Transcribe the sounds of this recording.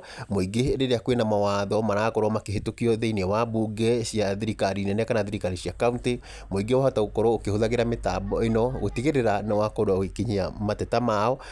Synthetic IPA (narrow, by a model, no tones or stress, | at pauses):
moiɡeɾeɾeakwenamawaːðɔmaɾaːkɔɾɔmakeɦetokiɔeðeinɛwabuɡɛsiaðeɾikaɾinɛnɛkanaðeɾikaɾiɕiakaunte | moiɡewahataokɔɾɔokehoðaɣeɾametaːbɔenɔɣotiɣeɾeɾanawakoɾaoikeɲiamatɛtamaɔ